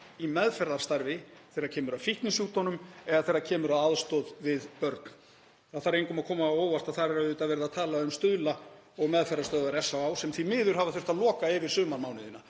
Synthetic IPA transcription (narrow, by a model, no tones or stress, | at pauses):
imɛðfɛɾðaɾ̥st̪aɾvɪθejɾacʰɛːmʏɾafiht̪nɪsjuːt̪ɔnʏmɛɣaðθejɾːacʰɛːmʏɾaðaðst̪ɔːðvɪðpœɾt̪n | aθaɾejŋkʏmaðkʰɔːmaoːwvast̪aðθaɾɛɾaʏːt̪aðvɛɾɪðaðt̪ʰaːlaʏmst̪ʏðla | ɔɣmɛðfɛɾðaɾst̪œːðaɾɛsːawawsɛmθimɪːðʏɾ̥havaθʏr̥t̪aðlɔːkaɪvɪɾ̥sʏːmanmaːwnɪðɪna